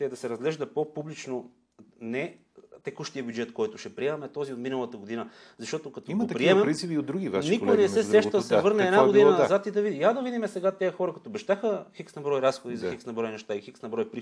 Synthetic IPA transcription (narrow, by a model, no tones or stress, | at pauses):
t̪ɛd̪ɐsɛɾɐzɡlɛʒd̪ɐpopublit͡ʃno | nɛ | t̪ɛkuʃt̪ijəbʲjud͡ʒɛt̪kɔjt̪ʊʃɛpɾiɛmɐmɛt̪ɔziot̪minəlˠɐt̪əɡod̪inə | zɐʃt̪ɔt̪okɐt̪ot̪ɐpɾiɛmɛɾint̪sipiod̪d̪ɾuɡʲivannikonɛsɛsɛʃt̪əd̪ɐsɛvɤɾnɛːd̪naɡod̪inɐnɐzat̪id̪ɐvid̪iad̪ɐvid̪imɛsɛɡat̪ɛjɐxɔɾɐkɐt̪obɛʃt̪axəxiksnɐbɾɔjɾasxod̪izɐxiksnɐbɾɔjnɛʃt̪aixiksnɐbɾɔjpɾi